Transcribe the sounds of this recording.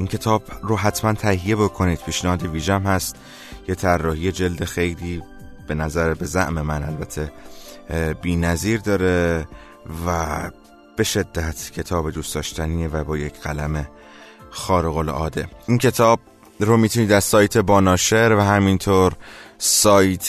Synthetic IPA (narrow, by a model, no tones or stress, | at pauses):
ʔincʰe̞t̪ʰɒːbɾoɦæt̪ʰmænt̪ʰæhije̞bo̞kʰo̞niːd̪̥̚pʰiːʃnæhɒːd̪eviːʒæmhæst̪ | jet̪ʰærːɒːhije̞d͡ʒe̞ld̪e̞xe̞jliː | b̥e̞næzæɾbe̞zæ̰ʔmemænʔæ̰lbæt̪ʰe̞ | biːnæziːɾd̪ɒːɾe | væ | b̥e̞ʃe̞d̪ːæt̪ʰcʰe̞t̪ʰɒːbed̪usd̪ɒːʃt̪æniːevæbɒːjecʰɢælæme̞ | xɒːɾeɣo̞lʔɒ̰ːd̪e̞incʰe̞t̪ʰɒːb̥̚ | ɾomiːt̪ʰuniːd̪æɾsɒːjt̪ʰebɒːnɒːʃeɾvæɦæmint̪ʰoːɾsɒːjt̪ʰ